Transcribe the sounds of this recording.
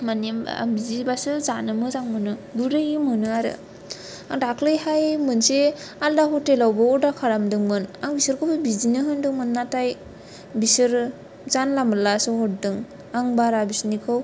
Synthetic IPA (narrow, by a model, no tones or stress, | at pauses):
manim̰bizibasɯzanɯmɯzaŋmɯnɯɡuɾɯjimɯnɯaɾɯ̰ | aŋdakʰlɯjhajmɯnsealdaɦɔtelawbɯɔdakʰaɾamdɯŋmɯnaŋbisɯɾkʰɯbɯbizinɯɦɯndɯŋmɯnːataj | bisɯɾ | zanlamɯlasɯhɔt̚dɯŋ | aŋbaɾabisnikʰɯw